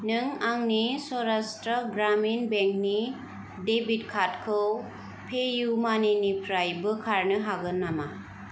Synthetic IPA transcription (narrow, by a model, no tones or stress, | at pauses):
nɯŋaŋnisɔɾastɾɔɡɾaminbeŋk̚ni | debit̚kʰatkʰɯw | pʰejumaninipʰɾajbɯkʰaɾnɯɦaɡɯnːama